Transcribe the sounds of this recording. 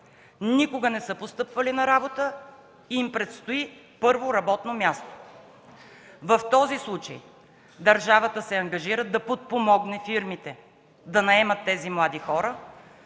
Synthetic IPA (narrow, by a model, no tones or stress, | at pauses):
nikoɡənɛsɤpost̪ɤpvɐlinɐɾabot̪ə | iːmpɾɛt̪st̪oi | pɤɾvoɾɐbɔt̪nomʲjast̪o̥ | vɐft̪ɔzislˠut͡ʃə̰j | d̪ɐɾʒavət̪əsɛɐŋɡɐʒiɾəd̪ɐpot̪̚pomɔɡnɛfiɾmit̪ɛ | d̪ɐnɐɛmət̪ːɛzimlˠad̪ixɔɾə